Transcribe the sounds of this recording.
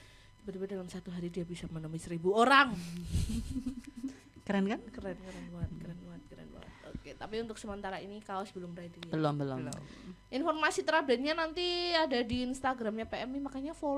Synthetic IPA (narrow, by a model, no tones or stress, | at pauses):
bəd̪ibadalamsat̪uɦaɾidiabisamənomisəɾibuoɾaŋ | kəɾɛnkankəɾɛnkəɾɛnbaŋət̪̚kəɾɛnbaŋət̪̚kəɾɛ̰nba̰ŋə̰t̪̚oket̪apiunt̪ʊk̚səmənt̪aɾainikawasbəlʊmret̪ibəlɔmbəlɔ̰ | ʔinfɔrmasit̪əɾadat̪ɲanant̪iadadiːnst̪aɡɾamɲapeɛmimakaɲafo